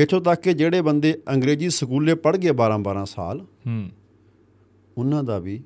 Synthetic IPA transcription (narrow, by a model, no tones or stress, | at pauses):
et̪ʰõːt̪akːed͡ʒeːɽeːbənd̪eːəŋɡɾeːziːsəkuːleːpəɽɡɪeːbaːɾãːbaːɾãːsa̰ːlː | ʊnːãːd̪aːʋiː